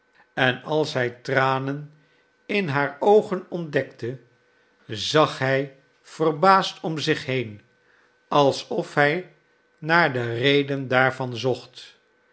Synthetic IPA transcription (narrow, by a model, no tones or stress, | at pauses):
ɛnɑlˠsɦɛjtraːnən | ɪnɦaːɹowχənɔndɛktə | zɑχɦɛj | v̥ərbaːstʰɔmzɪχɦejn | ɑlˠsɔfɦɛj | naːɹdərejdəndaːɹvɑnzɔχt